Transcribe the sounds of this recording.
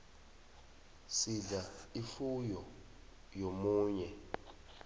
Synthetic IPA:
sizaifujɔ | jomuːɲɛ

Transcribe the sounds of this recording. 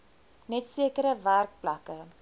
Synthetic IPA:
nɛtsiəkəɾəværk̚plɐkə

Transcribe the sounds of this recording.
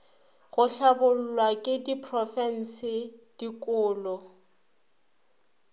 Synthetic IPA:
ɣʊɬabʊl̩lwakʼɪdipʰrɔfɛn̩sɪd̥ikʼʊːlɔ

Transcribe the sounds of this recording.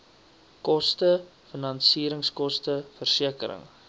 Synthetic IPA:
kɔstəfənɐnsiːɾəŋskɔstəfərsiəkəɾə̰ŋ

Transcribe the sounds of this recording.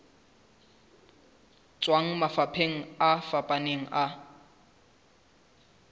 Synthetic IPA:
t͡sʼwaŋ̩mafapʰeŋ̩afapʼaneŋ̩ʔa

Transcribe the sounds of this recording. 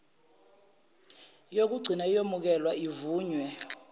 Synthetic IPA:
jok̬uɡ͡ǀʱinajomuk̬ɛlwaivuːɲwɛ

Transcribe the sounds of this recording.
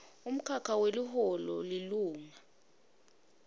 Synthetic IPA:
um̩kʰakʰaweliɦɔlɔ̰liluːŋa

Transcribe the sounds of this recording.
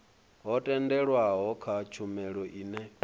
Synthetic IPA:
ɦɔtʼɛndɛɺwaɦɔkʰat͡ʃʰumɛɺɔʔiːnɛ

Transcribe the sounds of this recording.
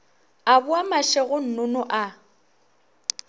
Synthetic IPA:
abʊamaʃɛɣʊn̩nʊnʊʔa

